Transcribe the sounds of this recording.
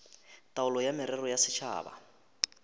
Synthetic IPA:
tʼaʊlɔjamɪɾɛrɔjasɪt͡ʃʰa̰ːba̰

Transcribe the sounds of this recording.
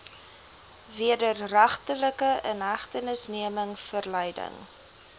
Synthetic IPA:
viədərræχtələkəʔənɦæχtənəsniəməŋfərlɛjdə̰ŋ

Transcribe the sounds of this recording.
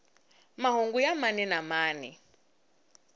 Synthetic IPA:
maɦoŋɡujamaninamaːni

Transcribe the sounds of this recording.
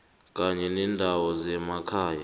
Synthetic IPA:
kʼaɲɛnɛndʱawɔzɛmakʰaːja

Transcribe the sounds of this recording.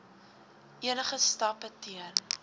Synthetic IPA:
ʔiənəχəstɐpətiən

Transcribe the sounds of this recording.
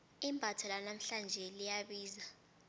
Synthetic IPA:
imbʱatʰɔlanam̩ɬand͡ʒʱɛlijaɓiːza

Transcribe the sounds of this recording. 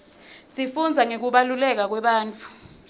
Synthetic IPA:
sifund͡zʱaŋek̬uɓalulɛk̬ak̬wɛɓaːnt͡fʰʼu̥

